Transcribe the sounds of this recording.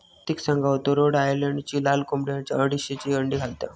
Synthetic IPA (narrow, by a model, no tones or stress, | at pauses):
t̪iksə̃ŋɡʱaɦot̪oɾoɽajəleɳɖt͡ɕiːlalkomɽjat͡ɕa̰əɽiɕet͡ɕiəɳɖiːɡʱalt̪a̰